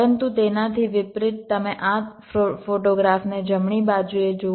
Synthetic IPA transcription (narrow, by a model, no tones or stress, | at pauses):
ənt̪ut̪enat̪ʰiʋɪpɾɪʈ̚t̪əmeʔat̪ | ofoʈoɡɾafned͡ʒəmɳ̃ibad͡ʒued͡ʒo